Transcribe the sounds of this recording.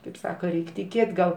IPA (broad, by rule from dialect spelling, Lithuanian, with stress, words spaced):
kɐɪp ˈsɑːkɐ ˈrʲɛɪkʲ tʲɪˈkʲeːtʲ ɡɐlˠ